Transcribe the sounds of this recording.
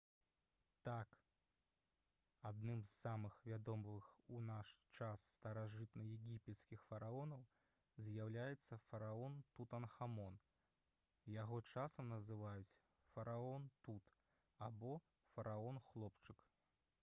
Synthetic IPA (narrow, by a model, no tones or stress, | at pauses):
t̪ak | ad̪̚nɨmzːamɨxvʲad̪ɔmvɨxunaʂt͡ʂasːt̪ɐɾaʐɨt̪nɐjɛɡʲipʲɛt̪skʲixfɐɾaɔnɐw | zʲjawlʲajɛt̪sːɐfɐɾaɔnt̪ut̪ɐnxamɔn | jaɣɔt͡ʂasɐmnɐzɨvajut͡sʲ | fɐɾaɔnt̪ut̪ | abɔ | fɐɾʔaɔnxlˠɔpt͡ʂɨk